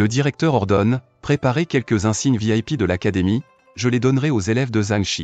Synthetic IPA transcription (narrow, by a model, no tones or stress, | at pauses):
ləd̪iʁɛk̚t̪œʁɔʁd̪ɔn | pχepaʁekʲɛlkəzɛ̃siɲviajpid̪əlakad̪emi | ʒəled̪ɔnʁɛozelɛvd̪əzãŋʃḭ